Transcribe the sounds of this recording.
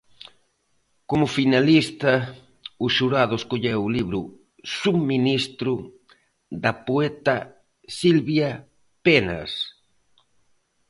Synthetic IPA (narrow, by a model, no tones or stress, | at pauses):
komʊfinalist̪ɐ | ʊʃuɾaðʊeskoʎɛwʊliβɾʊ | suminist̪ɾʊ | ðɐpoɛt̪ɐ | silβja | pena̰s